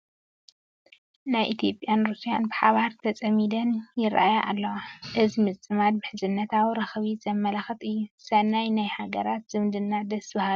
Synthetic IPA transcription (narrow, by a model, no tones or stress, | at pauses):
najʔit̪ʰjo̞pʼːjanɾusijanbɨħaβaɾt̪ʰɐt͡sʼɐmid̪ɐnjɪɾʔʔajaʔa̰lːɐwaʔɨzmɨt͡sʼɨmad̪̚bɨħɨzɨnːɐt̪ʰawiɾɐxβizɐmːɐlɐxɨt̪ʼɨjːusɐnːajnajhaɡɐɾat̪z̥ɨmd̪ɨnːad̪ɐsbɐhalu